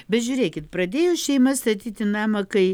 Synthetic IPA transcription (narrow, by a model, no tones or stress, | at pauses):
bʲɛt̪ʒʲʊːɾʲeːkʲɪt̪pɾɐd̪ʲeːjoːʃʲɛɪmɐst̪ɐt̪ʲiːt̪ʲɪnɑːmɐkɐɪ